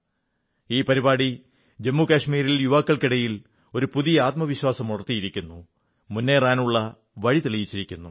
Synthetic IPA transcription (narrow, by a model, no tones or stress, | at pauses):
iːpɐɾibaːɽi | d͡ʑe̞mːukaːɕmiːɾiljuʋaːkːɐɭkiɽɐjil | o̞ɾupuðijɐaːt̪̚mɐʋiɕwaːsɐmuɽɐrt̪ːijiɾikʲːunːu | munːe̞ːraːnuɭːɐ | ʋɐɻit̪iɭijit͡ɕːiɾikʲːunːu